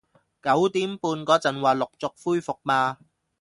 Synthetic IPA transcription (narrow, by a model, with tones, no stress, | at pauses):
kɐ˨˥wt̪iː˨˥mpuː˧nkɔː˨˥t͡sɐ˨˩nwaː˨lʊ˨k̚t͡sʊ˨k̚fuː˥jfʊ˨k̚maː˧